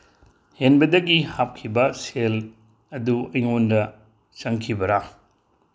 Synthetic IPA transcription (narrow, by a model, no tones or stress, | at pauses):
henbɐdɐɡihap̚kʰibɐsel | ɐduɐjŋondɐ | sɐŋkʰibɐɾa